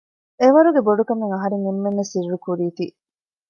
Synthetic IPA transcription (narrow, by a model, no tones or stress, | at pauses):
eʋɐɾuɡeboɖukɐmeŋɐɦɐɾeŋemːenːesirːukuɾiːt̪iː